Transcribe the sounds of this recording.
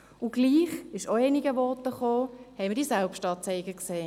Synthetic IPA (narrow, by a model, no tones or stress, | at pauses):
ʊɡ̥liːχɪʃoeːniɡəʋɔtəχoːhɛɪmədisɛlpʃtɑːt͡sɛɪɡəkseː